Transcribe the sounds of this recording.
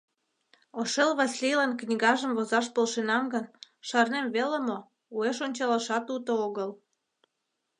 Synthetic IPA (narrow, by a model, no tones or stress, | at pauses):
oʃelβɑsʲlʲijlɑnknʲiɣɑʒəmβozɑʃpolʃenɑmɡən | ʃɑrnemβeləmo | ueʃonʲt͡ɕɑləʃɑt̪ut̪ooɣəl